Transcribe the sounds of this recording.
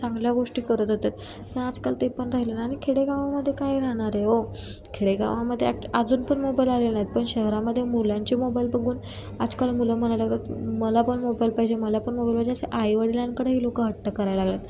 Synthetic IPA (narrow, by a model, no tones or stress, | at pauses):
t͡sãŋɡljaɡoʂʈiːkəɾət̪ot̪et̪ | pəɳad͡zkalt̪epəɳɾaɦilenaːɽ̃ikʰeɽeɡaʋaməd̪ʱːjekajɾaɦɽ̃aɾeo | kʰeɽeɡa̰ʋaməd̪ʱːjeaad͡zuːnpəɳmobailalelnaɦit̪̚pəɳɕəɦɾaməd̪ʱːjemulãɲt͡ɕimobailbəɡʱuːn | ad͡zkalmuləm̤ənajlaɡlat̪məlapəɳmobailpajd͡ʑeməlapəɳmobajilpajd͡ʑeəseʔajʋəɽiljankəɽəɦiːlokəɦəʈːəkəɾajlaɡljat̪